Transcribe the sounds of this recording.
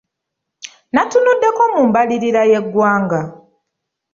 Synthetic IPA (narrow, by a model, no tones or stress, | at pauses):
natunudːe̞ko̞muːmbaliɾiɾaje̞ɡːwaːŋɡa